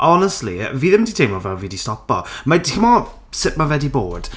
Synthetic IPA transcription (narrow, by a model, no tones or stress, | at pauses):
ʔɔnəstˡlḭviːðɪmditʰejmɔvɛlˠviːdistɔpɔ̰matʰɪmɔ | sɪʔmavɛdibo̰ːd̥